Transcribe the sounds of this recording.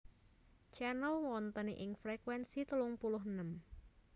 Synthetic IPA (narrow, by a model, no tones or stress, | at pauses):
t͡ʃɛnəlwɔnt̪əniʔɪŋfɾekwɛnsit̪əlʊŋpulʊɦənəm